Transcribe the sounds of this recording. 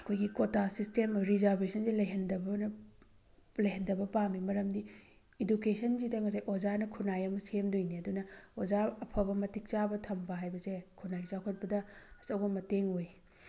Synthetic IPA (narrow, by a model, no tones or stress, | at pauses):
ɐkʰojɡikotasistemɾizaɾbesʰɐnsilɐɦendɐbn | lɐɦendɐbɐpamimɐɾɐmdi | idukesʰɐnzidɐŋɐs̬ajʔod͡ʒanɐkʰunajɐmɐsemdojniɐdunɐozaɐpʰɐbɐmɐtik̚t͡ʃabɐtʰɐmbɐɦajbɐsekʰunajt͡ʃakʰɐt̚pɐdɐɐsɐwbɐmɐteŋoj